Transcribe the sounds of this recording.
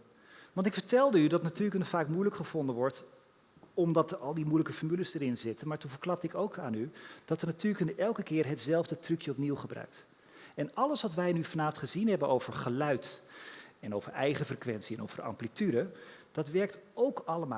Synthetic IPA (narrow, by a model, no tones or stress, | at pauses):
ʋɑntɪkfəɹtɛlˠdəydɑtnatyːləkənfaːkmujləkχəv̥ɔndənʋɔɹt | ɔmdɑtɑlˠdimujləkəfɔɹmyləzdəɾɪnzɪtənmaːɹtuvəɹklɑp̚tɪkowkʰaːnyd̥ɑtənatyːɹləkənɛlˠkəkɪːɹɦətz̥ɛlˠvdətrʉkjəɔpniwχəbrœ̰ɥk̚t | ɛnɑləsʋɑtʋɛjnyfɑnaːfəntχəzinɦɛbənowvəɹχəlœɥt | ɛnowvəɹɛ̰jχəfrəkʋɛnsiɛno̰wv̥əɹɑ̰mplityɾəd̥ɑtʋɛɹk̚towkɑləma̰